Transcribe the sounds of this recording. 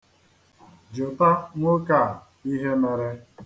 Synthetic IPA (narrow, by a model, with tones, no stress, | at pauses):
d͡ʒʊ˨ta˦ŋʷo˦ka˦˨ | i˦ɦe˦me˨ɾe˦